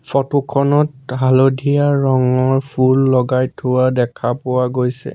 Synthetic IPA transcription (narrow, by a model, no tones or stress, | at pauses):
fɔtukʰɔnɔtɦalodʱijaɹɔŋɔɹpʰulːɔɡajtʰːʊwadɛkʰapʊwaɡojsɛ̰